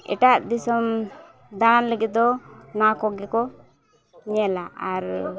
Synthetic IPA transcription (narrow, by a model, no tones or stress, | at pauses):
ɛ̰ʈaʔd̪isɔm | d̪ananləɡit̪̚d̪ɔnakɔɡɛkɔ | ɲɛlaaɾ